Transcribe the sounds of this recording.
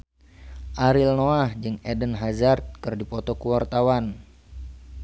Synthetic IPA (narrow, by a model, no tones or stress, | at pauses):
ʔaɾilnoahd͡ʒɨŋɛdənɦazart̪̚kɨrdipɔt̪ɔkuwart̪awan